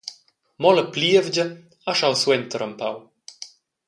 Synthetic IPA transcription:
mɔləpliəvd͡ʒə | aʃawswɛnt̪əɾəmpaw

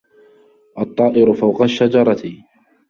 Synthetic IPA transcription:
ʔɑt̪ˤːɑːʔɪɾʊfawqɑʃːad͡ʒɑɾˤɑt̪ɪ

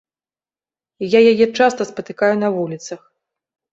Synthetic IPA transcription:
jajajɛt͡ʂast̪ɐspɐt̪ɨkajunɐvulʲit̪sɐx

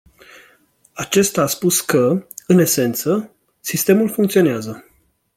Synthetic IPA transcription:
at͡ʃe̞st̪aːspuskəɨne̞se̞nt̪sə | sist̪e̞mulfuŋkt̪sio̞neazə

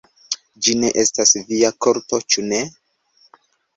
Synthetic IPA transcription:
d͡ʒine̞̰ʔe̞stasviako̞ɾto̞t͡ʃune̞

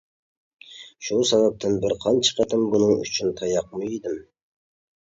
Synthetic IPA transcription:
ʃusɑvɑp̚t̪ʰɨnbɪɾqʰɑnt͡ʃʰə̥qʰɑt̪ʰɨmbunɨŋy̰t͡ʃʰynt̪ʰɑjɑqmɨjid̪ɪm

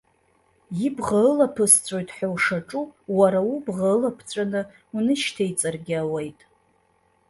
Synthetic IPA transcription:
jibʁalapʰɨst͡sʷʼo̞jtʼħʷawʂaʈ͡ʂʼuwaɾawubʁaɨlapʰt͡sʷʼanɨ | unɨʃtʰejt͡sʼarɡʲɪawejtʼ

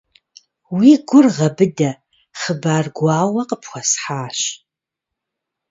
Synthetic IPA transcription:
wiɡʷʊrʁɐbɨdɐ | χəbaːrɡʷaːwɐqəpxʷɐsħaːɕ

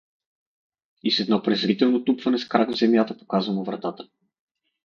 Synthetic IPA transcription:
isɛd̪nɔpɾɛzɾit̪ɛlˠnot̪upvɐnɛskɾaɡvzɛmjat̪əpo̥kazvɐmovɾɐt̪at̪ə̥

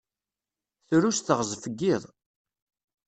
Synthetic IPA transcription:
θɾusθəʁzˤfəɡːiðˤ

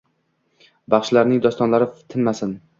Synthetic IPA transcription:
bɑχʃlaɾnɪŋd̪ɒst̪ɒnlaɾɪft̪ʰɪnmasɪn

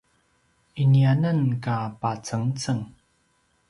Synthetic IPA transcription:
ʔinianənkapat͡səŋt͡səŋ

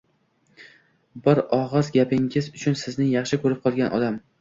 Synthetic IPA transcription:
bɪɾɒʁɨzɡʲapʰɪŋɪzʊt͡ʃʰʊnsɪznɪŋjɑχʃɪkʰɵɾɪp̚qʰɒlˠɡʲanʔɒ̰d̪am

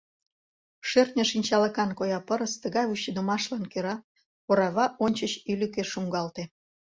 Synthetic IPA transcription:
ʃørt̪nʲəʃinʲt͡ɕɑləkɑnkojɑpəɾəst̪əɣɑjvuɕid̪əmɑʃlɑnkøɾɑ | poɾɑβɑʔonʲt͡ɕət͡ɕylʲykeʃuŋɡɑlt̪e

